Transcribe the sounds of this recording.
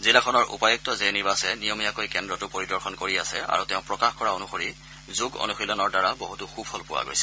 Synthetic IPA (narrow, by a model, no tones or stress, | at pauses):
zilakʰɔnɔɹṵpajɔk̚tɔzɛniɹbasɛnijɔmijakojkɛndɹɔtʊpoɹidɔɹxɔnkoɹiasɛa̰ɹutɛʊ̃pɹɔkaxkɔɹaonuxoɹi | zuɡo̰nuxilɔnɔɹdaɹaboɦutuxupʰɔlpʊwa̰ɡo̰jsɛ̥